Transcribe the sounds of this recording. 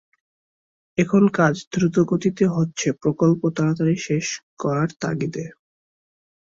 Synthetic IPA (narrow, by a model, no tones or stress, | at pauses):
ekʰonkad͡ʑd̪ɾut̪oɡot̪it̪eɦotːɕʰepɾokolpot̪aɾat̪aɾiʃeʃkɔɾaɾt̪a̰ɡit̪e